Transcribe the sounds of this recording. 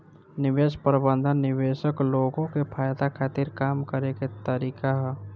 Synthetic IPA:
nɪʋeːʃpəɾbə̃nd̪ʱənːɪʋeːʃəkloːɡõkepʰaːjd̪akʰaːt̪iːɾkaːmkəɾeket̪əɾiːkaɦ

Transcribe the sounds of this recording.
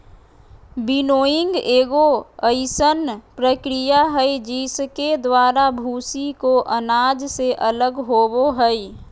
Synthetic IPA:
binoːjɪ̃ŋɡeːɡoəɪsənpɾəkɾijaɦəjd͡ʒisked̪waːɾabʱuːsikoʔənaːd͡ʒseʔələɡɦoːboɦəj

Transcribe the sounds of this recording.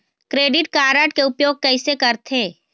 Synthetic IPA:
kɾeːɖɪʈkaːɾəʈ̚keʊpjoːɡ̚kɛɪsekɐɾt̪ʰẽː

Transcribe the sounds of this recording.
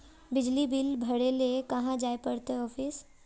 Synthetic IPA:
bɪd͡ʒlibɪlbʱɐɽelekɐɦãd͡ʒaːepɐɽt̪eɔːfʰɪs

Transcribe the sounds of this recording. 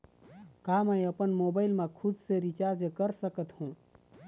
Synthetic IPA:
kaməĩəpənmoːbaːɪlmẽkʰʊd̪seɾit͡ʃaɾd͡ʒkəɾsəkət̪hũ

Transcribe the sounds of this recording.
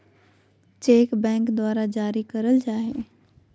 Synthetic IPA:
t͡ɕeːkbɛ̃ːŋkd̪waːɾad͡ʑaːɾikɐɾəld͡ʑaːɦeː

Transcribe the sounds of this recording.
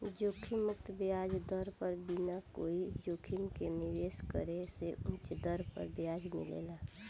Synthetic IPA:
d͡ʒoːkʰimʊkt̪bjaːd͡ʒd̪əɾpəɾbinakoːid͡ʒoːkʰimkenɪʋeːskəɾeseʊ̃t͡ʃd̪əɾpə̰ɾbjaːd͡ʒmḭlḛːlaː

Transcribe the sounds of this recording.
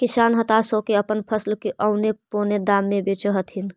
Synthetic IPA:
kisaːnɦət̪asəkeəpənpʰəslkeʔəʊneponed̪aːmːebet͡ʃəɦət̪ɦin

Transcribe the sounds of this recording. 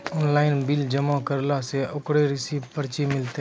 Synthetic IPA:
ɔːnlaːɪnbɪld͡ʒəmãkəɾlaseʔʊkɽeɾɪsiːbpəɾt͡ʃimɪlt̪e

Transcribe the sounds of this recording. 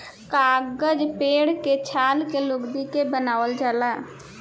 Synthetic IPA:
kaːɡəd͡ʒpeːɽket͡ʃʰaːlkelʊɡd̪ikebənaːʋəld͡ʒaːla

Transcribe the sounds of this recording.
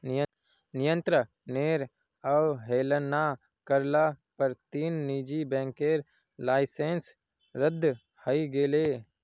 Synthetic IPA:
nɪjə̃nt̪ɾə | neːɾ | əwɦeːlənaː | kəɾlaːpəɾt̪iːnːiːd͡ʒibɛ̃ːŋkeːɾ | laːɪsẽːns | ɾəd̪ʱː | həiɡeːleː

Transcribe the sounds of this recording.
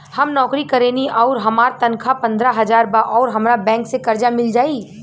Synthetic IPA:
hɐmnɔːkɾikɐɾeːniʔɔːɾɦɐmaːɾt̪ɐnkʰapɐ̃nd̪ɾaɦɐd͡ʒaːɾbaʔɔːɾɦɐmɾabɛ̃ːŋksekɐɾd͡ʒamɪld͡ʒaːi

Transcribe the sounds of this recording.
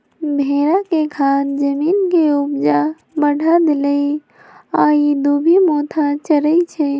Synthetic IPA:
bʱeɾakekʰand͡ʒəminkeubd͡ʒa | bəɽ̤ʱad̪eləj | aid̪ubʱimot̪ʰat͡ʃəɾəjt͡ʃʰɛ

